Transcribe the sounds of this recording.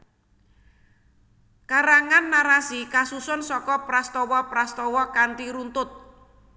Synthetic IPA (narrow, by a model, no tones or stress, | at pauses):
kaɾaŋanːaɾasikasusʊnsɔkɔpɾast̪ɔwɔpɾast̪ɔwɔkant̪iɾunt̪ʊt̪̚